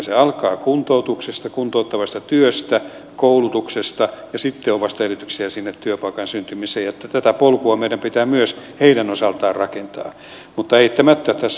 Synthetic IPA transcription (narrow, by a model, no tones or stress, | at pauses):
seɑlkɑːkunt̪out̪uksest̪ɑkunt̪out̪ːɑʋɑst̪ɑt̪yøst̪æ | koulut̪uksest̪ɑjɑsit̪ːeoʋɑst̪ɑerit̪yksiæsinːet̪tyøpɑikɑnsynt̪ymiseːjjot̪ːæt̪æt̪æpolkuɑmeiɾæmpit̪æːmyøsheiɾænosɑlt̪ɑːrrɑkent̪ɑ̰ː | mut̪ːɑeit̪ːæmæt̪ːæt̪æs